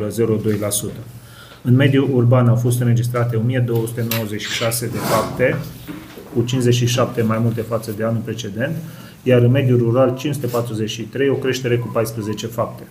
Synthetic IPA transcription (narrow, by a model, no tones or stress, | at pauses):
ləze̞ɾo̞d̪o̞jlasut̪ə | ɨnme̞d̪juʔːrbanafo̞st̪ɨnɾe̞d͡ʒis̬t̪ɾat̪e̞o̞mijed̪o̞wəsut̪e̞no̞wəze̞t͡ʃʲʃi̥ʃase̞d̪e̞fap̚t̪e̞ | kut͡ʃinze̞t͡ʃʲʃiʃap̚t̪e̞majmult̪e̞fat̪səd̪e̞anulpɾe̞t͡ʃe̞d̪e̞nt̪ | jaɾɨnme̞d̪juruɾalt͡ʃinsut̪epat̪ɾuze̞t͡ʃʲʃit̪ɾe̞jo̞kɾe̞ʃt̪e̞ɾe̞kupajspɾəze̞t͡ʃe̞fap̚t̪e̞̥